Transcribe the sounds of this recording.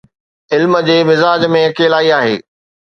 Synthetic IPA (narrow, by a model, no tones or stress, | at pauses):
ɪlmə̆d͡ʑeːmɪzaːd͡ʑmẽkeːlaːiaːɦḛː